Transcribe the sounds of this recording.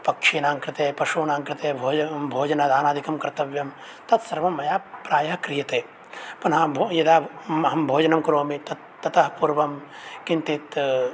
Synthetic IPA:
pɐkʂinaːŋkɾɪt̪eːpɐʃuːnaːŋkɾɪt̪eːbʱoːd͡ʒɐbʱoːd͡ʒɐnad̪aːnaːd̪ʱikɐmkɐɾt̪ɐʋjɐm | t̪ɐt̪sɐɾʋɐmːɐjaːpɾaːjɐɦɐkɾijɐt̪eː | pɐnɦɐbʱojɐd̪aːɦɐmbʱoːd͡ʒɐnɐmkɾoːmit̪ɐt̪ːɐt̪ɐɦpuɾʋɐmkint̪it̪

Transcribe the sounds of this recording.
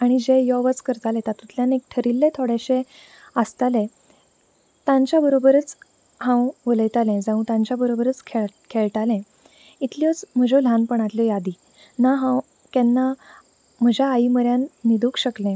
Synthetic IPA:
aɽ̃id͡ʑejɔʋət͡skəɾt̪alet̪at̪ut̪ljanek̚t̪ʰəɾilːet̪ʰoɽeɕẽ | əst̪ale | t̪ãɲt͡ɕjabəɾobəɾət͡s | hãwʋələjt̪alẽd͡zãũt̪ãɲt͡ɕjabəɾobəɾət͡skʰekʰeɭʈalẽ | it̪lijɔt͡sm̤əd͡ʑol̤anpəɳ̃at̪ljɔjad̪i | naɦãw | kɛnːa | m̤əd͡ʑʱaːiməɾjanːid̪ukɕəklẽ

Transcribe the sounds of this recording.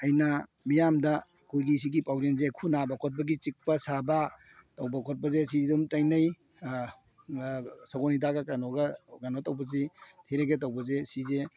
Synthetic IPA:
ɐjnɐ | mijamdɐ | kʰojɡis̬iɡipawlenzekʰunabɐkʰɔt̚bɐɡit͡ʃik̚pɐsabɐ | tɐwbɐkʰɔt̚bɐzesidumtɐjnɐj | saɡɔnidaɡɐkanoɡɐɡanotɐwbɐzitʰiɾeɡet̬ɐwbɐzesize

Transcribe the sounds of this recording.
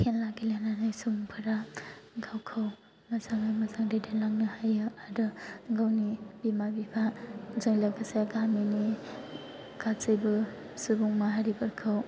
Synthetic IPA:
kʰenlaɡilenanajsubuŋpʰɯɾaɡawkʰʌw | nazaŋajmazaŋdedelaŋnɯhajɯadɯɡawnibimabipʰazɯŋlaɡasajaɡamini | ɡat͡sɯjbɯ | subuŋmaɦaɾibʌɾkʰaw

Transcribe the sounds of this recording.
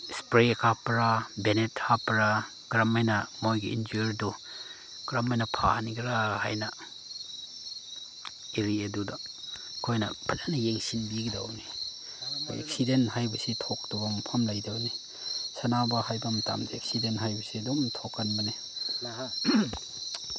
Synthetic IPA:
spɾekʰapɾabenethapɾa | ɡ̥ɾamajnɐmojɡiḭnd͡ʒujɾdu | ɡ̥ɾamajnɐpʰa̰niɡɾaha̰jnɐ | eɾieduda | kʰojnɐ̰pʰazanɐjeŋsinbiɡida̰wnḭ | ḛk̚sidenɦajbɐsitʰɔk̚tɔbampʰamlajdawni | sɐnabɐhajbɐmɐta̰mzeek̚sidentɦajbɐsiɐdɔmtʰɔkːɐnbɐne

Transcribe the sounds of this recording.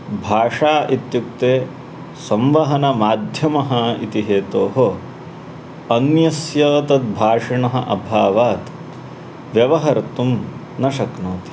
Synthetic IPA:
bʱaːʂaːʔit̪juk̚t̪eː | sɐmʋɐɦɐnɐmaːd̪ʱjɐmɐɦɐḭt̪iɦeːt̪oːɦo | ɐnjɐsjɐːt̪ɐt̪̚bʱaːʂiɳɐɦɐ̰̆ʔɐbʱaːʋaːt̪ | ʋjɐʋɐɦɐɾt̪um | nɐʃɐknoːt̪i̥

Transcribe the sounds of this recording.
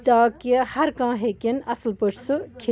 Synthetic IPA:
t̪aːkehɐɾkãːɦeːkinɐslpəʈʰsɨkʰe

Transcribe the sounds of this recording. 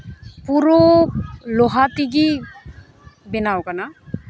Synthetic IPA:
puɾo | loɦat̪iɡi | benawkana

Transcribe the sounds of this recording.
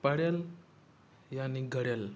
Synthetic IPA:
paɽjel | janiɡʱəɽjel

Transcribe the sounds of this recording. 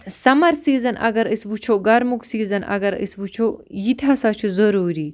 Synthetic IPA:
sɐmɐɾsiːzɐnʔɐ̰ɡɐɾisʋut͡ʃʰoːɡɐɾmuksiːzɐnɐ̰ɡɐɾḭsʋut͡ʃʰojit̪ʰasat͡ʃʰuzɐɾuːɾiː

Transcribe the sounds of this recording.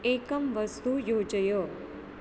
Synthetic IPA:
ekəmʋəst̪ujod͡ʒəjo

